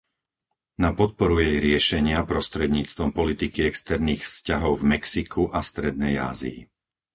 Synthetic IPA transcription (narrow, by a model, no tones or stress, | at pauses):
napɔt̪̚pɔɾujɛjɾɪɛʃɛɲɪapɾɔst̪ɾɛd̪ɲiːt͡st̪ʋɔmpɔlit̪ikiɛkst̪ɛɾniːxfscaɦɔʊvmɛksikʰuʔast̪ɾɛd̪̚nɛja̰ːzḭḭ